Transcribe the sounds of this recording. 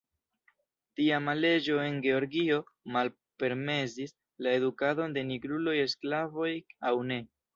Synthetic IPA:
tiamale̞d͡ʒo̞e̞nɡe̞o̞ɾɡio̞mal | pe̞ɾme̞sis | lae̞dukado̞nde̞niɡɾulo̞je̞sklavo̞jawne̞

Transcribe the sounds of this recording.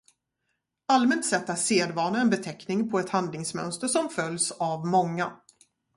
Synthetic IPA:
almɛnt̪sɛt̪ːaseːd̪vɑːɳaɛnbɛt̪ʰɛknɪŋpʰɔɛt̪hand̪lɪŋsmœ̰nst̪əʂɔmfœljsavmɔŋːa

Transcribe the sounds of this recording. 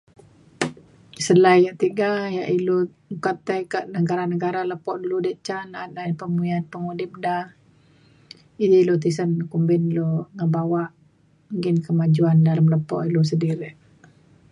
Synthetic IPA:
səlajjaʔt̪iɡajaʔilu | ŋukat̪ajkaʔnəɡaɾanəɡaɾaləpɔʔduludəʔt͡ʃananlanpəmujanpəŋudip̚dah | iilut̪̬isənkumbɪnloŋəbawaʔ | ɡɪnkəmad͡ʒuandalamləpɔ̰ʔilus̬ədiɾɪʔ

